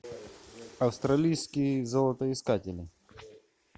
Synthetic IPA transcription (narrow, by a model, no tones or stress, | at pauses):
ɐfst̪ɾɐlʲijskʲijzɔlˠɐt̪əɪskatʲɪlʲɪ